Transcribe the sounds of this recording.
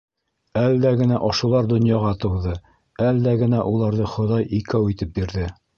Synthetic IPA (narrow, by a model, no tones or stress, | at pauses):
ælːæɡɘ̆næʔɒʃulˠɑɾd̪ŏnjɑʁɑt̪ɤ̆wðɤ | ælːæɡɘ̆næʔulˠɑɾðɤχŏðɑjʔikæwit̪ɘp̚biɾðɘ